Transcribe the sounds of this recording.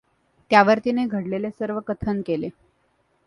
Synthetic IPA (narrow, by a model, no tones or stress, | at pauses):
t̪jaʋəɾt̪ineɡʱəɽlelesəɾʋəkət̪ʰənkele